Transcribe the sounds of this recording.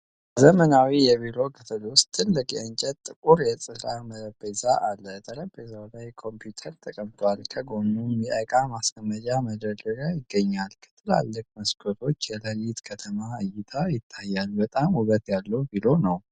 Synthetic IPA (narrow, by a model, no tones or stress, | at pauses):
zəmənawijɛβilo̞ɡʰət̪ʰəlowst̪ʰːɨlːɨkʼjɛənt͡ʃʼɛt̪t̪ːʼɨkʼuɾjɛsʼɨɾamələbezaʔalːət̪ʰəɾəbezawlajkʰo̞mpjut̪ʰəɾt̪ʼʰəkʼəmt̪ʰwalkʰəɡo̞numjɛʔəkʼamasɡəmːəd͡ʒaməd̪əd̪əɡajɪɡːəɲːalkʰɨ̥t̪ʰːɨla̰lːɨk̚məskʰot̪ʰo̞t͡ʃːjɛləlit̪kʰət̪ʰəmaɨjːɪt̪ʰajɪt̪ʰːajːalbət̪ʼamuɡət̪jalːəwbilo̞nəw